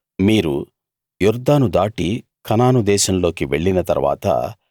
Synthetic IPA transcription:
miːɾu | juɾd̪aːnud̪aːʈi | kʰɐnaːnud̪ɛːʃɐmlo̞ːkiʋe̞ɭːinɐt̪ɐɾʋa̰ːt̪ɐ̰

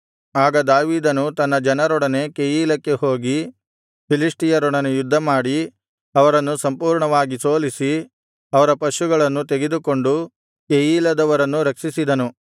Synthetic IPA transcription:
aːɡɐd̪aːʋiːd̪ɐnut̪ɐnːɐd͡ʒɐnɐɾɔɽɐne̞kejiːlɐkːe̞ho̞ːɡi | pilisʈijɐɾɔɽɐnejud̪ʱːɐmaːɽi | ɐʋɐɾɐnːusɐmpuːɾɳɐʋaːɡiso̞ːlisi | ɐʋɐɾɐpɐʃuɡɐɭɐnːut̪eɡed̪uko̞ɳɖu | kejiːlɐd̪ɐʋɐɾɐnːuɾɐkʂisid̪ɐnu

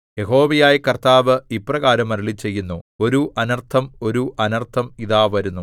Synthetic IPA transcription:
je̞ɦo̞ːʋɐjaːjikɐrt̪aːʋɨiprɐɣaːɾɐmɐɾuɭit͡ɕe̞jːunːuo̞ɾuʔɐnɐrt̪ʰɐmo̞ɾuʔɐnɐrt̪ʰɐmiðaːʋɐɾunːu

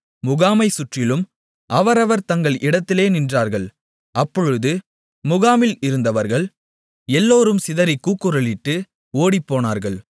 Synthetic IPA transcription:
mʊɣaːmɐɪsʊʈrɪlɯm | ɐʋɐɾɐʋɐɾt̪ɐŋɡɐɭʔɪɽɐt̪ːɪleːnɪndraːɾɣɐɭ | ɐpːɔɻɯðɯ | mʊɣaːmɪlɪɾɯnd̪ɐʋɐɾɣɐɭ | ɛlːoːɾɯmsɪðɐɾɪkːuːkːɯɾɐɭɪʈːɯ | oːɽipːoːnaːɾɣɐɭ

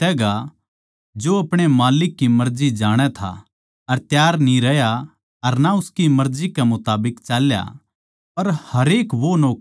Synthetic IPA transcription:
t̪ɛːɡa | d͡ʒoɐpɽ̃emaːlɪkːimɐɾd͡ʒid͡ʒaːɽ̃ɛt̪ʰa̰ | ɐɾt̪jaːɾnĩɾɐja | ɐɾnaʊskimɐɾd͡ʒikɛmʊt̪aːbɪkt͡ʃaːlja̰ | pɐɾhɐɾeːkʋonoːk

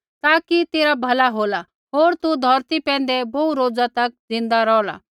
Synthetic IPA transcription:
t̪aːkit̪eːɾabʱɐlaɦoːla | ɦoːɾt̪ud̪ʱɐɾt̪ipɛ̃ːn̆d̪ɛbɔuɾoːd͡zat̪ɐk̚d͡zɪ̃nd̪aɾɔːla̰

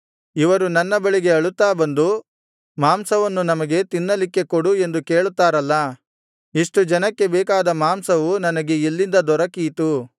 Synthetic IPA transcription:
iʋɐɾunɐnːɐbɐɭiɡe̞ɐɭut̪ːaːbɐnd̪u | maːmsɐʋɐnːunɐmɐɡe̞t̪inːɐlikːe̞koɽue̞nd̪uke̞ːɭut̪ːaːɾɐlːɐ | iʂʈud͡ʒɐnɐkːe̞bɛːkaːd̪ɐmaːmsɐʋunɐnɐɡe̞ilːind̪ɐd̪ɔɾɐkiːt̪u

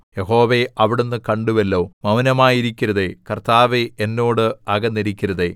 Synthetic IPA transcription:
jeɦo̞ːʋeʔɐʋiɽenːɨkɐɳɖuʋelːo̞ːmɐwnɐmaːjiɾikʲːiɾɐðekɐrt̪aːʋeenːo̞ːɽɨɐɣɐnːeɾikʲːiɾɐðeː

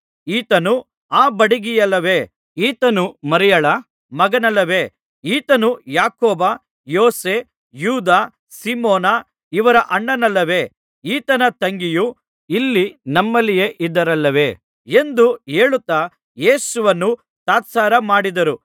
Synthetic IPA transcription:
iːt̪ɐnu | aːbɐɽiɡijɐlːɐʋe̞ː | iːt̪ɐnumɐɾɛjɐɭɐ | mɐɡɐnɐlːɐʋe̞ː | iːt̪ɐnujaːkoːba | joːseː | juːd̪aː | simɔːna | iʋɐɾɐʔɐɳːɐnɐlːɐʋe̞ː | iːt̪ɐnɐt̪ɐŋɡiju | ilːinɐmːɐlːijeʔid̪ːɐɾɐlːɐʋe̞ː | e̞nd̪ueːɭut̪ːa | je̞ːsuʋɐnːu | t̪aːt̪saːɾɐmaːɽid̪ɐɾu

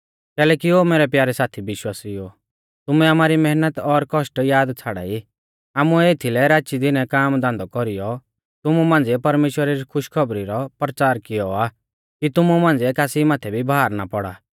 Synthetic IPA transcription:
kɛːlɛːkiomeːɾɛpjaːɾɛsaːt̪ʰibɪʃwaːsijo | t̪ʊmɛamaːɾimɛɦnət̪ɔɾkɔʃʈjaːd̪t͡sʰaːɽa̰ːi | aːmuɛeːt̪ʰilɛɾaːʃid̪ɪnɛkaːmd̪ãːnd̪ɔkɔɾijɔ | t̪ʊmumãːn̆d͡ziɛpɐɾmeːʃwəɾaɾikʰʊʃkʰɔbɾiɾɔpɾət͡ʃaːɾkɪjɔa | kit̪ʊmumãːnd͡ziɛkaːsimaːt̪ʰɛbʱibʱaːɾna̰pɔɽa̰ː

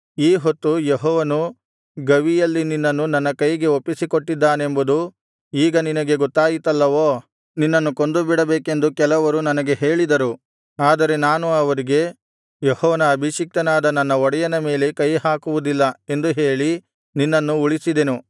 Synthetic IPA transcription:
iːɦot̪ːujeɦɔːʋɐnu | ɡɐʋijɐlːininːɐnːunɐnːɐkɐjɡe̞opːisikoʈːid̪ːaːne̞mbud̪u | iːɡɐninɐɡe̞ɡɔt̪ːaːjit̪ɐlːɐʋoː | ninːɐnːukond̪ubiɽɐbeːke̞nd̪ukɛlɐʋɐɾunɐnɐɡe̞ɦe̞ːɭid̪ɐɾu | aːd̪ɐɾe̞naːnuɐʋɐɾiɡe̞ | jehɔːʋɐnɐːbʱiʃik̚t̪ɐnaːd̪ɐnːɐnːɐɔɽɐjɐnɐme̞ːle̞kɐjhaːkuʋud̪ilːɐe̞nd̪uɦe̞ːɭi | ninːɐnːuuɭisid̪enu

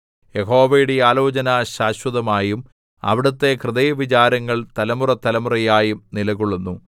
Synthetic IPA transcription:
jeho̞ːʋɐjuɽejaːlo̞ːt͡ɕɐnaɕaːɕwɐðɐmaːjum | ɐ̰ʋiɽɐt̪ːe̞krɨðɐjɐʋit͡ɕaːɾɐŋːɐɭt̪ɐlɐmurɐt̪ɐlɐmurɐjaːjumnilɐɣuɭːunːu

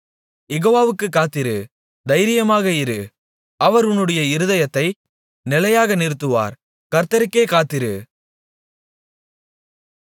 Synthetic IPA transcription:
jɛɣoːʋaːʋɯkːɯkːaːt̪ːɪɾɯ | d̪ɐɪɾɪjɐmaːɣɐɪɾɯ | ɐʋɐɾʊnːɯɽɐjɐɪɾɯðɐjɐt̪ːɐɪ | nɪlɐjaːɣɐnɪɾɯt̪̬ːɯʋa̰ːɾ | kɐɾt̪ɐɾɯkːeːkaːt̪ːɪɾɯ

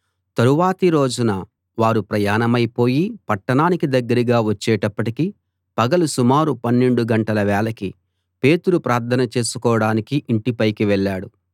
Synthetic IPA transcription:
t̪ɐɾuʋaːt̪iɾo̞ːd͡ʒunɐ | ʋaːɾupɾɐjaːnɐmɐjpo̞ːjipɐʈːɐɳaːnikid̪ɐɡːɐɾiɡaːʋɐt͡ʃːɛːʈɐpːɐʈiki | pɐɡɐlusumaːɾupɐnːe̞ɳɖuɡɐɳʈɐlɐʋɛːɭɐki | pe̞ːt̪uɾupɾaːɾt̪ʰɐnɐt͡ʃe̞ːsu̥kɔːɐɽaːnikiʔiɳʈipɐjkiʋɛɭːaːɽu

